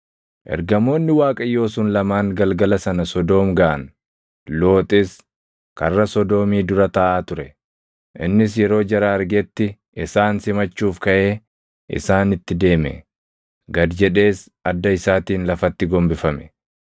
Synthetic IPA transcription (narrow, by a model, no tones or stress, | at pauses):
ʔɛ̰ɾɡɐmo̞ːnːɪwaːkʼɐjːo̞ːsuːnlɐmaːŋɡɐlɡɐlɐsɐnɐsɔd̪o̞ːmɡaʔɐn | lo̞ːt̪ʼɪs | kɐrːɐsɔd̪o̞ːmiːd̪ʊɾɐt̪ɐʔaːt̪ʊɾɛ | ʔɪnːɪs̬jɛɾo̞ːd͡ʒɐɾaɐɾɡɛt̪ːɪ | ʔɪsaːnsɪmɐt͡ʃːuːfkɐʔeː | ɪ̰saːnɪt̪ːɪd̪e̞ːmɛ̰ | ɡɐd̪d͡ʒɛᶑe̞ːs | ɐd̪ːɐɪsaːt̪iːnlɐfɐt̪ːɪɡɔmbɪfɐmɛ̥